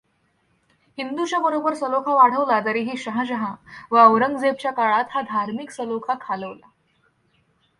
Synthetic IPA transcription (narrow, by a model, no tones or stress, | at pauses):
hind̪ut͡ɕjabəɾobəɾsəlokʰaʋaɽ̤əʋlat̪aɾiːɦiːɕəɦãɕəɦãʋəəʋɾəŋɡd͡zeb̚t͡ɕjakaɭat̪had̪ʱaɾmiksəlokʰakʰaləʋla